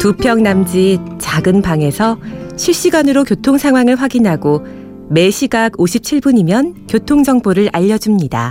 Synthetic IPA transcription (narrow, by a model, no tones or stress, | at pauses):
tupʰjʌŋnamd͡ʑit͡ɕaɡɯnpaŋe̞sʰʌɕʰiɭɕ͈iɡanɯɾokjotʰoŋsʰaŋɦwaŋɯɭɸwaɡinɦaɡo | me̞ɕʰiɡaɡoɕʰip̚t͡ɕʰiɭbuɲimjʌnkjotʰoŋd͡ʑʌŋboɾɯɾʔaʎːʌd͡ʑumɲida̰